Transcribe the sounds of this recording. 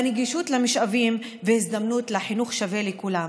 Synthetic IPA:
neɡiʃutlemiʃavim | veisd̪amnutleħinuχʃave̞lekulam

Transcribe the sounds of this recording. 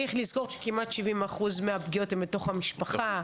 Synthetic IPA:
iχlizko̞ʁʃe̥kimatʃivimaχuzmeapɡijo̞tembeto̞χhamiʃpaχa

